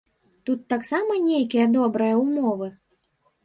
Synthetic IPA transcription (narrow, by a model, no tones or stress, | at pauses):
t̪ut̪ːaksamɐnʲejkʲijɐd̪ɔbɾɐjɐumɔvɨ